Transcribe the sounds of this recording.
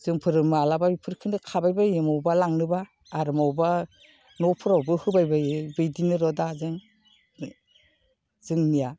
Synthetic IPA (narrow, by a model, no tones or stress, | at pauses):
z̥ɯŋpʰɯɾɯmɯalabajpʰɯɾkʰɯnɯkʰabajbajɯmawbalaŋnɯbaː | ɾɯmawba | nɔpʰɯɾawbɯhɯbajbajɯbɯjdinɯɾɔdazɯŋ | zɯŋnija